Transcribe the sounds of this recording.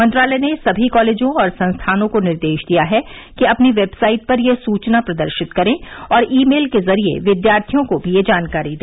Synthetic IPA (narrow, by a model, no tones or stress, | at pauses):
mɐ̃nt̪ɾaːlɛnesɐbʱikɔːleːd͡ʒõɔːɾsɐ̃nst̪ʰaːnõkonɪɾd̪eːʃd̪ijaɦɛkiɐpniʋeːbsaːɪʈ̚pɐɾjesuːt͡ʃnapɾɐd̪əɾʃɪt̪kɐɾẽɔːɾiːmeːlkezɐɾiḛʋɪd̪jaːɾt̪ʰijõkobʱijed͡ʒaːnkaːɾid̪eː